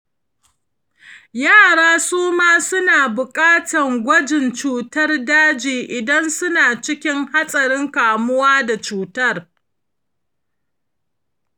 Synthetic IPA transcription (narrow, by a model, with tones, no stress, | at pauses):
jaː˦˨ɽaː˦suː˦maː˦sʊ˦naː˨bʊ˨kʼaː˦tɐ˨ŋɡʷɐ˦d͡ʒɪ˨nt͡ʃuː˦˨tɐ˦rdaː˦d͡ʒiː˨ʔɪ˨dɐ˦nsʊ˦naː˨t͡ʃɪ˦kʲɪ˦ŋha˦sʼɐ˨ɾɪ˦ŋkaː˨mʊ˦waː˦da˨t͡ʃuː˨tɐ˦r